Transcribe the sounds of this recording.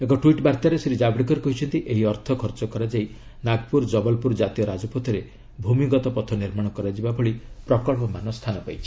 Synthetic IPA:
ekɔʈuiʈbaɾt̪aɾeseɾid͡ʒabɽikɔɾekɔɦit͡ʃʰɔnt̪iʔeɦiɔɾt̪ʰɔkʰɔɾt͡ʃɔkɔɾad͡ʒaj | naɡpuɾd͡ʒɔbɔlpuɾd͡ʒat̪ijɔɾad͡ʒɔpɔt̪ʰɔɾe | bʱumiɡɔt̪ɔpɔt̪ʰɔniɾmaɽ̃ɔkɔɾad͡ʒibabɔɭipɾɔkɔɭpɔmanɔst̪ʰanɔpajt͡ʃʰi̥

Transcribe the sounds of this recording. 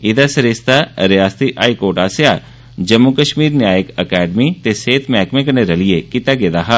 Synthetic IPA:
ɪd̪asəɾest̪aɾɪjaːst̪iʔaːikoːɾʈaːsjaː | d͡ʒəmːukəʃmiːɾnɪjaːjəkəkɛːɖmit̪eseːt̪ʰmɛːkmẽkəneɾəliekɪt̪aɡeːd̪aːɦaː

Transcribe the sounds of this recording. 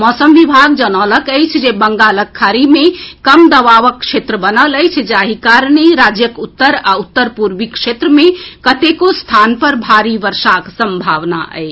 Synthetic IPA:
mɔsəmʋibʱaɡd͡ʒənələkəjt͡ʃʰd͡ʒebəŋɡaləkʰːaɾimekəmd̪əʋaʋəkːʃet̪ɾəbənələjt͡ʃʰd͡ʒaɦikaɾneɾad͡ʒjəkut̪ːəɾaut̪ːəɾpuɾbikʃet̪ɾəmekət̪ekost̪ʰanpəɾbʱaɾiʋəɾsaksəmbʱaʋna̰ʔə̰jt͡ʃʰ

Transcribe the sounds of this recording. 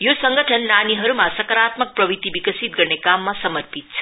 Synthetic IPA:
josʌŋɡʱʌʈʰʌnːaniɦʌɾumasʌkʌɾat̪mʌk̚prʌbit̪ibikʌsit̪̚ɡʌrnekamːasʌmʌrpit̪̚t͡sʰʌ

